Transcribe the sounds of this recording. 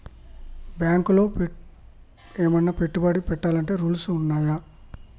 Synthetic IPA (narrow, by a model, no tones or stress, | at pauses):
bjaːŋkulo̞ː | eːmɐnːaːpe̞ʈːubɐɽipɛʈːaːlɐɳʈe̞ːɾuːlsuːnːaːja